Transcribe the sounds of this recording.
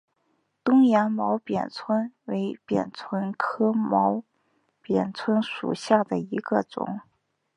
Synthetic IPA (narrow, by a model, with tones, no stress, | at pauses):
t̪ʊ˥ŋja˧˥nmɑ˧˥ʊpjɛ̰˨˩nt͡sʰwə˥nwe˧˥ɪpjɛ̰˨˩nt͡sʰwə˥nkʰɤ˥mɑ˧˥ʊ | pjɛ˨˩nt͡sʰwə˥nʂṵ˨˩ɕja˥˩d̪ə˩i˧˥ɡə˧t͡sʊ̰˨˩˦ŋ